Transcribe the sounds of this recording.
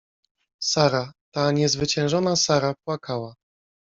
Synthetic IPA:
saɾat̪aɲɛzvɘt͡ɕɛ̃w̃ʐɔnasaɾapwakʰawa

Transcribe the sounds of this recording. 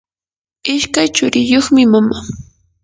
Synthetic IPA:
ɪʃkajt͡ʃʊɾɪjoχmɪmama

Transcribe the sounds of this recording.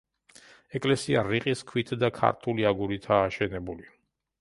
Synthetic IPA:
ɛkʼlɛsiaɾiqʼiskʰwit̪ʰd̪akʰa̰ɾt̪ʰuliaɡuɾit̪ʰaːʃɛnɛbuli

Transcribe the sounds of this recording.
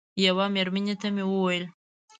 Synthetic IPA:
jawameɾmanet̪amewəwajəl

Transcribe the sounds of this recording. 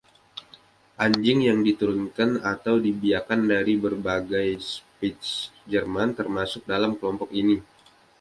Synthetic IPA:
ʔaɲd͡ʒɪŋjaŋdit̪uɾʊnkanat̪awdibiakandaɾibərbaɡajspisd͡ʒərmant̪ərmasʊk̚dalamkəlɔmpɔkini

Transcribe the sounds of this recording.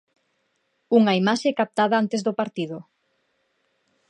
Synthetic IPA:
uŋaimaʃekap̚t̪aðaant̪ezðopaɾt̪ið̞ʊ

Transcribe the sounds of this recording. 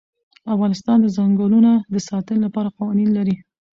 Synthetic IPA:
afɣɑnɪst̪ɑnd̪əzaŋɡəlunad̪əsɑt̪ənlapɑɾaqawɑninlaɾi

